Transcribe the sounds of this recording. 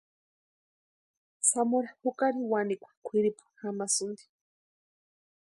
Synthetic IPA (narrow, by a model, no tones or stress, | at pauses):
samoɾahukaɾiwanikʷḁkʷʰiɾipu̥hamasund̪i̥